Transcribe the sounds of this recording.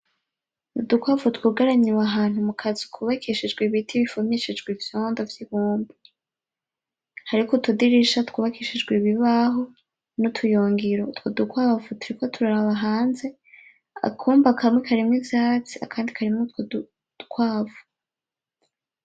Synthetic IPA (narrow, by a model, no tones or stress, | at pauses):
udukwaːvutwuɡaɾaɲiwaɦaːn̥humukʰazikʰuβakʰiʃid͡ʒɡweβitʰiβifomeʃid͡ʒɡwivjoːndovjihuːmbu | haɾikotudiɾiʃatkuːβakiʃid͡ʒɡwiβiβaɦo̞ | nutʰujoːŋɡiɾotwodukwaːvutuɾiko̞tʰuɾaɾaβaɦaːnze̞ | a̰kʰuːmbakʰamŋekʰaɾimŋizaːt͡sia̰kʰaːndikʰaɾimŋutwodu̥ | ukwaːvu̥